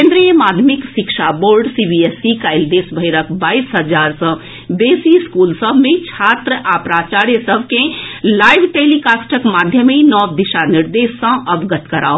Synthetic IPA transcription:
kẽnd̪ɾijəmaːd̪ʱmikʃɪkʃaboːɾɖsibiesikaːɪld̪esbʱəɪɾəkbaːisɦəd͡ʒaːɾsə̃ | beːsiskuːlsəbʱmẽt͡ʃʰaːt̪ɾəʔapɾaːt͡ʃaːɾjəsəbʱkẽlaːɪbʈeːlikasʈəkmaːd̪ʱjəminɔʋd̪ɪʃanɪɾd̪eːsːə̃ʔəbɡət̪kɐɾa̰ːo

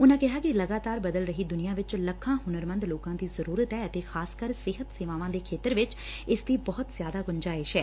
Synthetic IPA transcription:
ʊnãːkɪɦaːkɪləɡaːt̪aːɾbəd̪əlɾəɦiːd̪ʊnɪjãːʋɪt͡ʃləkʰːãːɦʊnəɾmə̃nd̪loːkãːd̪iːzəɾuːɾət̪ɦɛːət̪eːxʰaːskəɾsɪɦət̪seːʋaːʋãːd̪eːkʰeːt̪əɾʋɪt͡ʃ | ɪst̪iːbɔːʊt̪zjaːd̪aːɡʊɲd͡ʒaːɪʃɛː

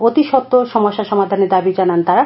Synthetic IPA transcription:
ot̪iʃɔt̪ːoʃɔmoʃːaʃɔmad̪ʱaneɾd̪abid͡ʑanant̪aɾa

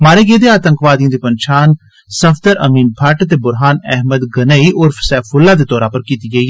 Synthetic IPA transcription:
maːɾeːɡeːd̪eːaːt̪əŋkʋaːd̪ijãːd̪iːpənt͡ʃʰaːn | səfʰt̪əɾʔə̰miːnpʰəʈt̪̬eːbʊɾɦaːnɛɦməd̪ɡənəiːʔʊɾfʰsɛːfʰʊlːaːd̪eːt̪ɔːɾaːpəɾkiːt̪iːɡəiːɛ

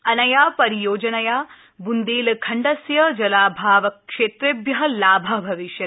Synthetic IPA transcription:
ɐnɐjaːpɐɾijoːd͡ʒɐnɐjaː | bund̪iːlkʰɐɳɖɐsjɐd͡ʒɐlaːbʱaːʋɐkʃeːt̪ɾebjɐɦɐlaːbʱɐbʱɐʋiʃjɐt̪

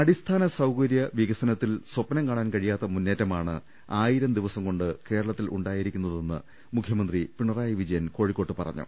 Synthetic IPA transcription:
ɐɽist̪ʰaːnɐsɐwkɐɾjɐʋiɣɐsɐnɐt̪ːilswɐpːɐnɐmkaːɳaːnkɐɻijaːt̪ːɐmunːeːtːɐmaːɳɨ̰ | aːjiɾɐmd̪iʋɐsɐmko̞ɳɖɨke̞ːɾɐɭɐt̪ːilʔṵɳɖaːjiɾikʲːunːɐðe̞nːɨ̰ | mukʰjɐmɐnd̪ripiɳɐraːjiʋid͡ʑɐjɐnko̞ːɻikːo̞ːʈːɨpɐ̰rɐ̰ɲːṵ

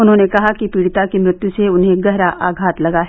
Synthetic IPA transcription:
ʊnɦõːnekɐɦakipiːɽt̪akimɾɪt̪juseʊnɦẽɡɐɦɾaʔaːɡʱaːt̪lɐɡaɦ

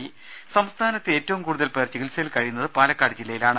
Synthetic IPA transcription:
ji | sɐmst̪ʰaːnɐt̪ːɨe̞ːtːɐʋumkuːɽuðɐlpɐjɐrt͡ɕːukilsɐjlkɐɻijunːɐðɨpaːlɐkːaːɖd͡ʑilːɐjilaːɳɨ

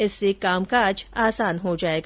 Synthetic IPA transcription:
ɪsːekaːmkaːd͡ʒaːsaːnɦod͡ʒaːeːɡa

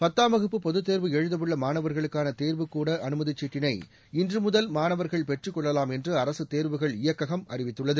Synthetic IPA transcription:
pɐt̪ːaːmɐɣɯpːɯpɔðɯt̪ːeːɾʋɯɛɻɯðɐʋɯɭːɐmaːnɐʋɐɾɣɐɭɯkːaːnɐt̪eːɾʋɯkːuːɽɐʔɐnɯmɐðɪt͡ʃːiːʈːɪnɐɪ | ɪndrɯmʊðɐlmaːnɐʋɐɾɣɐɭpɛʈrɯkːɔɭːɐlaːmɛndrɯɐɾɐsɯt̪eːɾʋɯɣɐɭɪjɐkːɐɣɐmɐ̰rɪʋɪt̪ːɯɭːɐðɯ

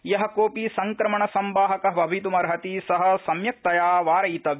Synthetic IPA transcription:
jɐɦɐ̆koːpiːsɐŋkɾɐmɐɳɐsɐmbaːɦɐkɐɦʋɐbʱit̪umɐɾɦɐt̪isɐɦɐ̆sɐmjɐk̚t̪ɐjaːʋaːɾɐjt̪ɐʋ

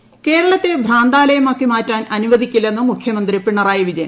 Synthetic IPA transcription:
ke̞ːɾɐɭɐt̪ːebʱraːnd̪aːlɐjɐmaːkːimaːtːaːnɐnuʋɐd̪ikʲːilːenːɐmukʰjɐmɐnd̪ripiɳːɐraːjɐʋid͡ʑɐjɐ

